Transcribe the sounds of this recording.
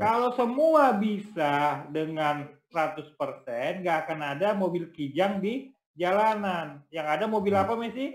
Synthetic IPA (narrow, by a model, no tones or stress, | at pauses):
kalosəmuabisadəŋansɾat̪ʊspərsɛnŋɡaːkanadamobɪlkid͡ʒaŋdi | d͡ʒalananjaŋadamobɪlapamɛsɪh